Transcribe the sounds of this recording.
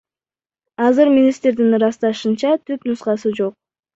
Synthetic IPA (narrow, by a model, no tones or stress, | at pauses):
ɑzɯɾmʲinist̪ɾd̪inɾɑst̪ɑʃɯnt͡ʃɑt̪ʰypnusqɑsɯd͡ʒo̞q̚